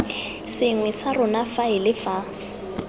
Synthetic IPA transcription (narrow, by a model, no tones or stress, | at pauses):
sɪŋwɛsarʊnafaɪlɪfa